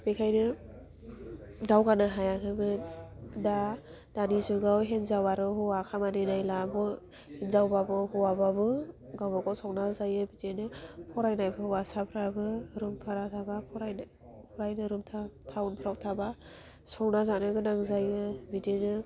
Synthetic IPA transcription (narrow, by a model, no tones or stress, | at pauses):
b̥ekʰajnɯ | dawɡanɯɦajakʰɯmɯda | danizuɡawɦenzawaɾɯhuwakʰamanenajlabɯ | henzawbabɯhuwababɯɡawbaɡawsɔk̚nazajɯbidenɯpʰɔɾajnajpʰɯhwasapʰɾabɯɾumpʰaɾatʰabapʰɔɾajn | pʰɔɾajnɯɾumtʰatʰawunpʰɾawtʰaba | sɔknazanɯɡɯnaŋzajɯbidenɯ